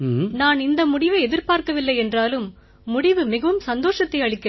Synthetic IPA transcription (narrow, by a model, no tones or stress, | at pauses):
naːnɪnd̪ɐmʊɽɪʋɐɪɛðɪɾpaːɾkɐʋɪlːɐɪɛndraːlɯmː | ʊɽɪʋɯmɪɣɐʋɯmsɐnd̪oːʂɐt̪ːɐɪɐɭɪkːɐ